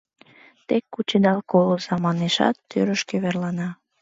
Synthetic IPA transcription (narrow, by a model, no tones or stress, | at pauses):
t̪ekːut͡ɕed̪ɑlkolozɑmɑneʃɑ̰t̪ːøɾəʃkeβerlɑnɑ